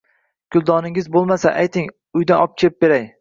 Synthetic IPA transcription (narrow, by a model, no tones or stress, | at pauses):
kʰʲʊlˠd̪ɒnɪŋɪzbolˠmasaʔajt̪ʰɪŋ | ʊjd̪aɒp̚t͡ʃʰep̚beɾaj